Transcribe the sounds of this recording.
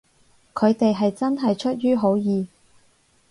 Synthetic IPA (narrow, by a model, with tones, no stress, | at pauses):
kʰɵ˨˧ɥt̪e˨jɦɐ˨jt͡sɐ˥nɦɐ˨jt͡ʃʰɵ˥t̚jyː˥ɦo˨˥wjiː˨˧